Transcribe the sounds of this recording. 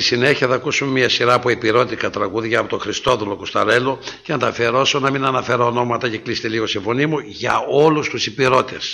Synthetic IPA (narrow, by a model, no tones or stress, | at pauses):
isineçiɐθɐkusumemiɐsiɾɐːpoipiɾo̞t̪ikɐt̪ɾɐɣuðʝɐːpot̪oxɾist̪o̞ðulo̞kost̪ɐɾe̞loceɐnt̪ɐfeɾo̞sonɐminɐnɐfe̞ɾɐono̞mɐt̪ɐceklise̥t̪eliɣo̞sifo̞nimuʝɐ̰olust̪usipiɾo̞t̪es